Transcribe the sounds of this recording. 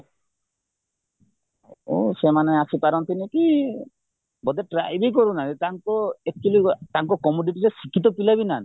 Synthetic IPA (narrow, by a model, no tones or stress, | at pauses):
o̰semaneasʰipaɾɔnt̪iniki | bɔd̪eʈɾajbik̬ɔɾunaɾet̪aŋkɔek̚t͡ʃulit̪aŋkɔkɔmuɖiʈiɾesikʰit̪̬ɔpilabinan